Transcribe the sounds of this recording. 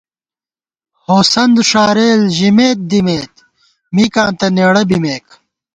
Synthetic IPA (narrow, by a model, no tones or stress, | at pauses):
hoːsɐnd̪uʂaːɾeːlʑimeːt̪̚d̪imeːt̪ | mikãːnt̪ɐneːɽɐbimeːk